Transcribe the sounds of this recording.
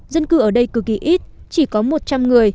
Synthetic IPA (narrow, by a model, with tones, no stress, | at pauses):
zə˧nkɨ˨˧˩ʔəː˧˩ɗə˧jkɨ˨˩ki˨˦ʔi˦˥t̚t͡ɕi˧˩kɔ˨˦mo˨˩t̚t͡ɕa˧mŋɨ˨˩əj